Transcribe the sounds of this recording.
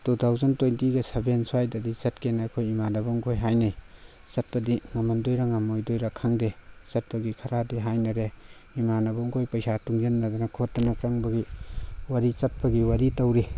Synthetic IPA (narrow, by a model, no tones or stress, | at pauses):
tutʰawzɐntojntiɡɐsebensuajdɐdisɐtkenaːkʰojimanɐbɐŋkʰojɦajnaj | sɐt̚pɐdiŋɐmɐndojɾaŋamojdojɾakʰaŋdesɐt̚pɐɡikʰɐɾadiɦajnɐɾe | imanɐbɐŋkʰojpɐjsatuŋjenːɐdɐnɐkʰotːɐnɐt͡ʃɐŋbɐɡiwɐɾit͡ʃɐt̚pɐɡiwɐɾitɐwɾi